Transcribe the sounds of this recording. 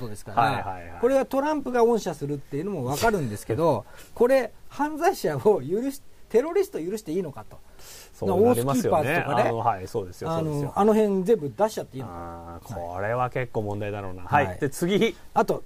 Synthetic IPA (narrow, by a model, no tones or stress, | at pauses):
t̪od̪e̞sɨ̥kaaahaiako̞ɾe̞ɡat̪o̞ɾãmpɯ̟ɡaõ̞ɰ̃ɕasɨɾɯ̟t̪ːe̞jiɯ̟no̞moβakaɾɯ̟̃nd̪e̞sɨ̥ke̞d̪o̞ko̞ɾe̞hãnd͡zaiɕaojɯɾɯ̟ɕi̥t̪e̞ɾo̞ɾʲisɨ̥t̪ojɯ̟ɾɯ̟ɕi̥t̪e̞iːno̞kat̪o̞̥ | somaoːɾimaijopaːzɨto̞kanenohaisoːd̪esɨjoanno̞ʔano̞hẽ̞nd͡zẽ̞mbɯ̟d̪aɕi̥t͡ɕat̪ːe̞iːnkʰaoɾe̞βake̞kːo̞ːmõnd̪aid̪aɾo̰na̰haiid̥̪et͡sɨɡʲiat̪o̞